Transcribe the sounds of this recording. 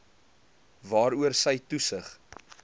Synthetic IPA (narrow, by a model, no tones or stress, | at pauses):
vɑːɾuərsəjtusəχ